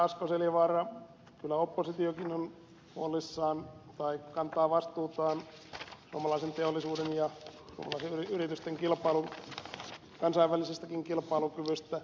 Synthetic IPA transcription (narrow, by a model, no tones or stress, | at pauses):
ɑskoseliʋɑrɑ | kylːæopːosit̪iokinon | huolːˑisːɑːnt̪ɑikkɑnt̪ɑːʋɑst̪uːt̪ɑːn | suomɑlɑisent̪eolːisuːdenjɑsuo̰mɑlɑˑiseyriyrit̪yst̪eŋkilpɑilun | kɑnsɑiʋʋælisest̪ækiŋkilpɑilukyʋyst̪æ